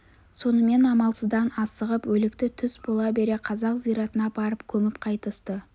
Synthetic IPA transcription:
so̞nəme̞nɑmɑlˠsəzd̪ɑnɑsəʁəpwɵlɪkt̪ɪt̪ʰʏsbo̞lˠɑbe̞ɾe̞qʰɑzɑqzijɾɑt̪ənɑbɑɾəpkʲʰɵmɪpqʰɑjt̪əst̪ə

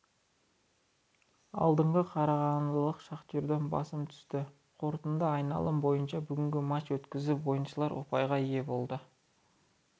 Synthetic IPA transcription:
ɑ̰lˠd̪əɴʁəqʰɑɾɑʁɑnlˠəqʃɑqt̪eɾd̪e̞nbɑ̰səmt̪ʰʏ̥st̪ɪ | qʰo̞ɾt̪ənd̪əɑjnɑ̰lˠəmbo̞jənʃɑbʏɡʲɪŋɡʲɪmɑt͡ʃwɵt̪kʲɪzɪwo̞jənʃəlˠɑɾwo̰pɑjʁɑije̞bo̞lˠd̪ə

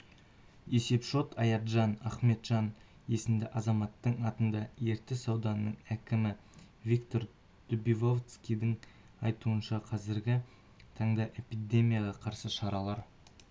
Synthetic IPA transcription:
e̞se̞pʃo̞t̪ʰɑjɑt̪ʒɑnɑχme̞t̪ʒ̥ɑn | e̞sɪmd̪ɪʔɑzɑmɑt̪ːəɴɑt̪ənd̪ɑe̞ɾt̪ɪsɑwd̪ɑnːəɴækʲɪmɪ | vʲikt̪o̞ɾ | d̪̥ʊbivo̞vt̪skʲijd̪ɪɴ | ɑjt̪uənʃɑqʰɑzɪɾɡʲɪ | t̪ʰɑɴd̪ɑʔe̞pid̪e̞mʲijɑʁɑqʰɑɾsəʃɑɾɑlˠɑɾ

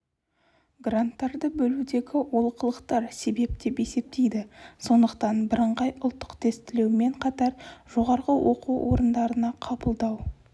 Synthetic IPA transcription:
ɡrant̪ːɑɾd̪əbɵlud̪e̞ɡʲɪwo̞lˠəqʰəlˠəqt̪ɑɾse̞be̞pd̪e̞pe̞se̞p̚t̪e̞jd̪ɪso̞nd̪əq̚t̪ɑnbɪɾəɴʁɑjʔʊlˠt̪ːə̥qt̪ʰest̪ɪle̞wme̞ɴqʰɑt̪ɑɾʒ̥o̞ʁɑɾʁəwʔo̞̰quwwʔo̞̰ɾənd̪ɑɾənɑqʰɑbəlˠd̪ɑw

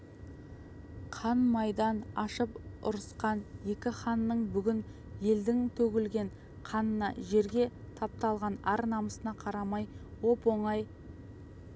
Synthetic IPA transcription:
qʰɑnmɑjd̪ɑnɑʃəpʊ̰ɾəsqɑnje̞kʲɪχɑnːəɴbʏɡʲɪn | je̞ld̪ɪŋt̪ʰɵɡʲɪlɡʲe̞ɴ | qʰɑnənɑ̰ʒe̞ɾɡʲe̞t̪ʰɑp̚t̪ɑlˠʁɑnɑɾnɑməsənɑqʰɑɾɑmɑjwo̞po̞ɴɑj

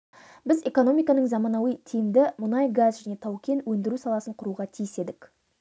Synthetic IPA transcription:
bɪze̞ko̞no̞mʲijkɑnəɴzɑmɑnɑwijt̪ʰijɪmd̪ɪmʊnɑjɡazʒæne̞t̪ʰɑwkʲe̞nwɵnd̪ɪɾusɑlˠɑsəɴqʰʊɾuʁɑt̪ʰijɪse̞d̪ɪk

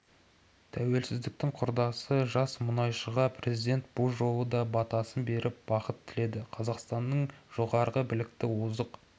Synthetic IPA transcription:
t̪ʰæwe̞lsɪzd̪ɪk̚t̪ɪŋqʰʊɾd̪ɑsəʒɑsmʊnɑjʃəʁɑpʰrʲe̞zijd̪e̞nt̪̚bʊlˠʒo̞lˠəd̪ɑbɑt̪ɑsənbe̞ɾʔɪp̚bɑqət̪ʰːɪle̞d̪ɪqʰɑzɑqst̪ɑnːəɴʒ̥o̞ʁɑɾʁəbɪlɪk̚t̪ɪwozəq

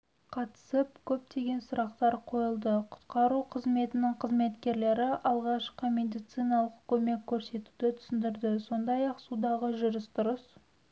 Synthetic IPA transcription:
qʰɑt̪ə̥səp̚kʲʰɵp̚t̪ʰe̞ɡʲe̞nsʊɾɑqt̪ɑɾqʰo̞jəlˠd̪əqʰʊ̥t̪qɑɾuqʰəzme̞t̪ɪnɪŋqʰəzme̞t̪kʲe̞ɾle̞ɾɪʔɑlˠʁɑʃqəme̞d̪ijt̪sijnɑlˠəqkʲʰɵme̞kʲʰːɵɾse̞t̪u̥d̪ɪt̪ʰʏ̥sɪnd̪ɪɾd̪ɪso̞nd̪ɑjɑqsud̪ɑʁəʒʊɾɪst̪ʊɾəs

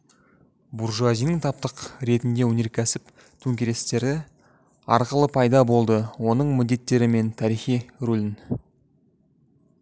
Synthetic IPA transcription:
buɾʒuazijnəŋt̪ʰɑp̚t̪əqɾe̞t̪ɪnd̪e̞wɵne̞ɾkʲʰæsɪp | t̪ʰɵŋkʲeɾe̞st̪e̞ɾɪ | ɑ̰ɾqəlˠəpʰɑjd̪ɑbo̞lˠd̪əwo̞nəɴmɪd̪ːe̞t̪ːe̞ɾɪme̞nt̪ʰɑɾiχijɾulʲɪn

